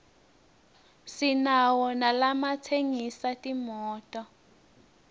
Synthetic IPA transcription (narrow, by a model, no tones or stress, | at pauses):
sinawɔnalamatʰeŋisatʼimɔːtʼɔ